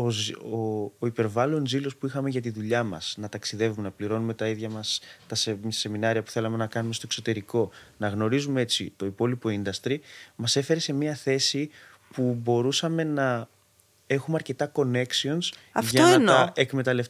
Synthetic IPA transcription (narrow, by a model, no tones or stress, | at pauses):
ozoːipe̞ɾvɐlo̞nzilo̞spuixɐme̞ʝɐt̪̬iðuʎɐmɐ̰snɐt̪ɐksiðe̞vume̞nɐpliɾo̞nume̞t̪ɐiðʝɐmɐst̪ɐsese̞minɐɾiɐpu̥θe̞lɐme̞nɐkɐnumest̪okso̞t̪e̞ɾiko̞nɐɣno̞ɾizumee̞t͡sḭt̪o̞ipo̞lipo̞ind̪ɐst̪ɾimɐse̞fe̞ɾe̞se̞miɐθe̞si | pubo̞ɾusɐme̞nɐ | e̞xumeɐɾce̞t̪ɐko̞ne̞ksio̞ns | ɐftʝɐoeɐɐnɐekme̞t̪ɐle̞f